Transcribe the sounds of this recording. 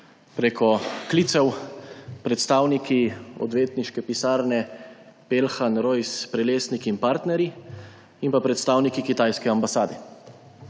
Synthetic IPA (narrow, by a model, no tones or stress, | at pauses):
pɾeːkɔklit̪sɛw | pɾɛt̪st̪aːwnikiɔ̰d̪ʋeːt̪niʃkɛpisaːɾnɛpelxanɾɔjspɾɛleːsnikinpaːɾt̪nɛɾji | inpapɾɛt̪st̪aːwnikikit̪ajskɛambasaːd̪ɛ